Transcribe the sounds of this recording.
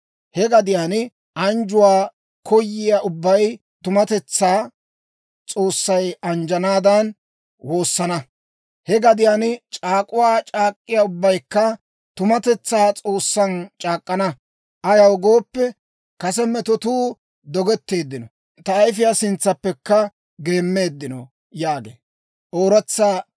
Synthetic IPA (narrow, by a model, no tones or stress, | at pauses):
hɛɡɐd̪ɪjaːn | ʔɐnd͡ʒʊwaː | kʰɔjːɪjaːʔʊbːɐj | t̪ʊmɐt̪ɛt͡sːaː | t͡sʼo̞ːsːɐjɐnd͡ʒɐnaːd̪ɐn | wo̞ːsːɐnɐ | hɛɡɐd̪ɪjaːnt͡ʃʼaːkʼʊwaːt͡ʃʼaːkʼːɪjaʊbːɐjkːɐ | t̪ʊmɐt̪ɛt͡sːaːt͡sʼo̞ːsːɐnt͡ʃʼaːkʼːɐnɐ | ʔɐjɐwɡo̞ːpːɛ | kɐsɛmɛt̪ɔt̪uː | d̪ɔɡɛt̪ːe̞ːd̪ːɪnɔ | t̪ɐːjf̬ɪjaːsɪnt͡sːɐpːɛkːɐ | ɡe̞ːmːe̞ːd̪ːɪnɔ | jaːɡḛː | ʔoːɾɐt͡sːaː